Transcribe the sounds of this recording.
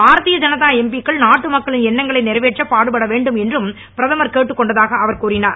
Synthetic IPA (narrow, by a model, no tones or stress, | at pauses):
baːɾɐt̪ːɪjɐd͡ʒɐnɐt̪ːaːɛmbikːɐɭnaːʈːɯmɐkːɐɭɪnɛnːɐŋɡɐɭɐɪnɛɾɐʋeːʈrɐpaːɽɯpɐɽɐʋeːɳɖɯmɛndrɯm | pɪɾɐðɐmɐɾkeːʈːɯkːɔɳɖɐðaːɣɐɐʋɐɾkuːɾɪnaːɾ